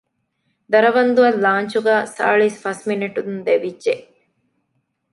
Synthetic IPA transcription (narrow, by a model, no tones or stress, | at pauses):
d̪ɐɾɐʋɐnd̪uɐlːaːɲt͡ʃuɡæːsa̰ːɭisfɐsminiʈud̪und̪eʋidʒeʔ